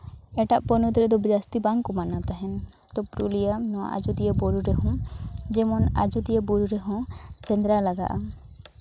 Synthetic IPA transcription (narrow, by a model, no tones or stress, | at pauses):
ɛʈaʔpɔnɔt̪ɾɛd̪ɔbd͡ʒast̪ibaŋkɔmanat̪aɦɛn | t̪ɔpɾulijanɔwa̰ʔa̰d͡ʒud̪ijəbɔɾuɾɛɦɔ̃d͡ʒɛmɔna̰d͡ʒud̪ijebɔɾuɾɛɦɔ̃sɛnd̪ɾalaɡa̰ʔa